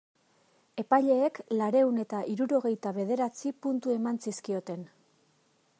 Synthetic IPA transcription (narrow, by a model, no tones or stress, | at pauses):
e̞pajʎe̞ːklaɾe̞une̞t̪aʔiɾuɾo̞ɣ̞e̞jt̪aβ̞e̞ð̞e̞ɾat͡sipunt̪ue̞mansiskio̞t̪e̞n